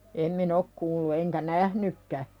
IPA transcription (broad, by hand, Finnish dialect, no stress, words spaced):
em min ok kuːlːu eŋkæ næhnykːæ